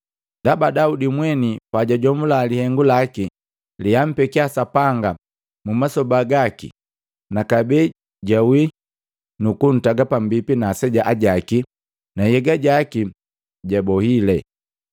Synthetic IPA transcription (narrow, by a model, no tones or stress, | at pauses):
ndabadaudimwɛnipaɟaɟɔmulalihɛŋɡulaki | liam̩pɛkiasapaŋɡa | mumasɔbaɡakḭ | nakabɛ | ɟawi | nukun̩taɡapam̩bipinaːsɛɟaʔaɟaki | najɛɡaɟaki | ɟabɔhilɛ